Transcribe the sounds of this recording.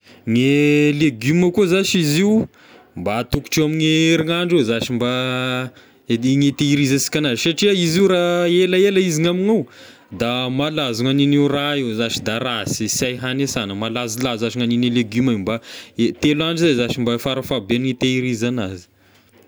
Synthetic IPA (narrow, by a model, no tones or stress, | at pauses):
ŋeleɡyməkuzaʃiziw | mbat̪uku̥ʈ͡ʂewamiŋeɾiŋaɳɖ͡ʐezaʃimba | ŋet̪eiɾizasi̥kʲanazisaʈ͡ʂiaiziuɾaelaeləiziŋaminaw | d̪amalazuŋaninewraewzaʃid̪aɾasisajɦanesanəmalazilazaʃiŋanineleɡumambaet̪elaɳɖ͡ʐizazaʃimbafaɾafabenŋit̪eiɾizanazi̥